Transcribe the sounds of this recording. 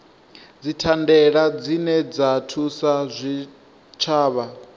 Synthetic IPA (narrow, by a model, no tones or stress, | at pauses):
d͡zitʰandɛɺad͡zinɛd͡zatʰusazʷi | t͡ʃʰaːβa